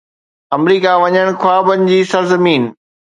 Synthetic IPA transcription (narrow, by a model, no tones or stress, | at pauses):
ɐmɾiːkaʋɐɲəɽ̃kʰwaːbənɪ̆d͡ʑiːsɐɾzɐmiːn